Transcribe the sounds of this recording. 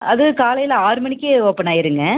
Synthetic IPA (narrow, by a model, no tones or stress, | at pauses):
ɐðɯkaːlɐjɪlaːɾɯmɐɳɪkʲːɯɔpːɐnaːɪɾɯŋɡɐ